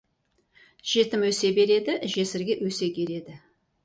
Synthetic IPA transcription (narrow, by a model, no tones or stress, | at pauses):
ʒ̥e̞t̪ɪmwɵse̞be̞ɾe̞d̪ɪʒe̞sɪɾɡʲe̞ʔwɵse̞kʲʰe̞ɾe̞d̪ɪ